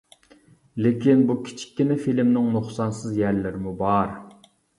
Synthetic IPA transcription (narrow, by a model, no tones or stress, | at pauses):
lɪkʲʰinbukʲʰi̥t͡ʃʰi̥kʲːinɛfilmnɪŋnuχsɑnsɨzjæɾlɪɾɪmubɑɾ